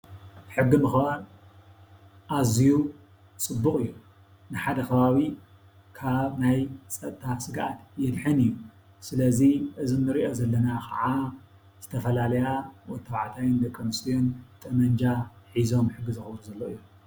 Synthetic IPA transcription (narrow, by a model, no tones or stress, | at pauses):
ħɨɡːimɨxβaɾ | ʔaziju | t͡sʼɨbːuχʼɨjːu | nɨħad̪ɐkʰɐβaβi | kʰaβnajt͡sʼɐt̪ʼt̪ʰːasɨɡaʔat̪jɛd̪ħɨnɨjːu | sɨlɐziʔɨzinɨɾiʔo̞zɐlːɐnakʰɐ̰ʕa | z̥ɨt̪ʰɐfɐlalɐjawɔt̪ʰːɐβʕat̪ʰajɨnd̪ɐkʼːɐmɨsijont̪ʼɐmɐɲd͡ʒa | ħizo̞mħɨɡːɨzɨxbnuzɐlːoɨjːu